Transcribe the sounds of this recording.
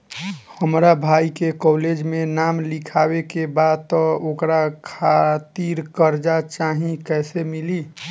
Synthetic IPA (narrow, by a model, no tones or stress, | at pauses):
həmɾabʱaːikekɔːled͡ʒmẽnaːmlɪkʰaːwekebaːd̪̚t̪ɔokɾakʰat̪iɾkəɾd͡ʒat͡ʃaːɦĩkɛːsemɪliː